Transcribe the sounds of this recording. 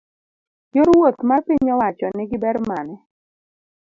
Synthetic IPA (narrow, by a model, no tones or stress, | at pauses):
joɾwot̪mapiɲɔwat͡ʃɔnɪɡɪbɛrmanɛ